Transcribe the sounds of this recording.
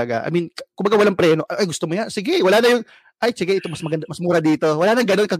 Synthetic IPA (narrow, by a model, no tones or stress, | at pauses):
ɐɡa̰ʔɐ̰minkkʊmbɐɡawɐlaŋpɾɛːno̞ʔʔajɡʊst̪omojansɪɡɛwɐlanɐjʊŋ | ʔajt͡ʃɪɡaʔɪt̪omɐsmɐɡɐnd̪ɐmɐsmuːɾɐd̪iːt̪o̞wɐlaːnɐŋɡɐno̞nkɐ